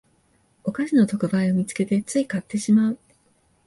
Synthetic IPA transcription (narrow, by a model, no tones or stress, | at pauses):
o̞kaɕino̞t̪o̞kɯ̟baio̞mʲit͡sɨ̥ke̞t̪e̞t͡sɨikat̪ːe̞ɕimaɯ̟